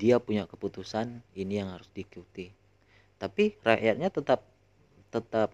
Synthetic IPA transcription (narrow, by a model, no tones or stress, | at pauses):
diapuɲakəput̪usaninijaŋhaɾʊsdikut̪i | t̪apiraʔjat̪̚ɲat̪ət̪ap̚ | t̪ət̪ap̚